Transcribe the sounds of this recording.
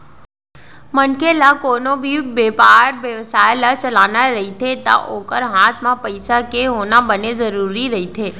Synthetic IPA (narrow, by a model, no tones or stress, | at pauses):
mənkelakoːnobʱibeːpaːɾʋjəʋsaːjlat͡ʃəlaːnaɾəɦit̪ʰet̪a̰ʔoːkəɾɦaːt̪ʰmãpəɪsakeɦoːnabənezəɾuːɾiɾəɦit̪ʰeː